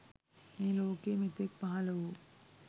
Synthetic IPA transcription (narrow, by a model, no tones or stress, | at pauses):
meːloːkeːmit̪ek̚paɦɐlɐʋu